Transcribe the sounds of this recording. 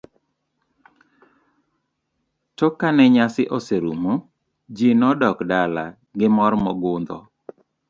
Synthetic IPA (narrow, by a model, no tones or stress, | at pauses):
tɔkanɛɲasɪʔɔseɾumo | d͡ʒinɔdɔkdala | ɡɪmɔɾmɔɡʊnd̪ɔ̰